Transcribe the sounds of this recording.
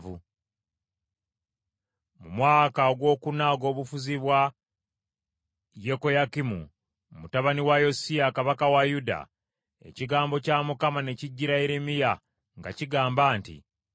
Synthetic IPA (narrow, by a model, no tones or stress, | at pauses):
vu | mumwaːkaoɡwo̞kunaɡo̞ːβufuziβwa | je̞ko̞jakimṵ | mutaβaniwajo̞siakaβakawajuda̰ | e̞̰ciɡaːmbo̞camukamane̞ciɟːiɾaeɾemija | ŋɡa̰ciɡaːmbaːntḭ